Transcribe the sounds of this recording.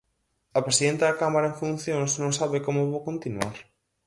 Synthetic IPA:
ɐpɾesiðent̪ɐðɐkamaɾɐẽŋfũnθjõŋsnõŋsaβekomoβowkont̪inuaɾ

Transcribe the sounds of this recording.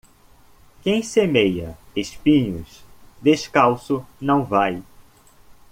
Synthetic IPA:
kẽj̃semejɐeʃpĩɲʊ̰sd̪eʃkawsʊnɐ̃w̃vaj

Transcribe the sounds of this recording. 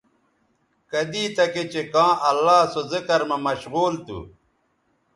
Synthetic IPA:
kɐd̪iːt̪ɐket͡ɕekãːʔɐlːaːsozikɐɾmɐmɐɕɣuːlt̪ṵ

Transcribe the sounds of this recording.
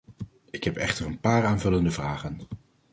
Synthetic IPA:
ɪkɦɛpɛχtərənpaːraːnvɵləndəvraːχən

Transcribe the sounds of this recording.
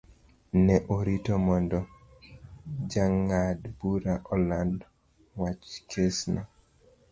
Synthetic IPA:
nɛʔoɾitɔmɔndɔ | d͡ʒaŋadbuɾaʔɔland | wat͡ʃkʰesnɔ

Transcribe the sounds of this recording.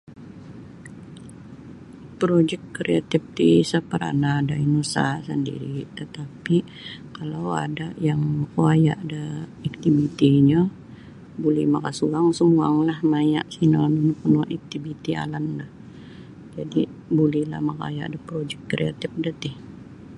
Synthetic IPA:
pɾod͡ʒɛkkɾeat̪ɪf̚d̪isapəɾa̰nadainusasəndḭɾit̪ət̪api | kalawa̰dajaŋməkuaja̰ʔdaːk̚t̪ibit̪iɲa | bulimakasuaŋsuŋua̰ŋlahmaɲa̰ʔsinalmnpənuʔak̚t̪ibit̪ia̰lanlah | d͡ʒadibulihla̰hmaka̰ja̰ʔdapɾod͡ʒɛk̚kɾḛa̰t̪ɪf̚dət̪ɪh

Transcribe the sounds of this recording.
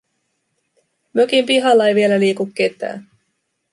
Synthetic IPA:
møkimpiɦɑlːɑejʋie̞læliːkukːe̞t̪æ̰ːn

